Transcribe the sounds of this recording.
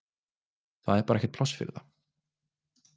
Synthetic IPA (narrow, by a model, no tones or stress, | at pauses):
θaðɛɾpaːɾɛçcɛ̥t̪pʰlɔsfɪ̰ɾɪ̰ða̰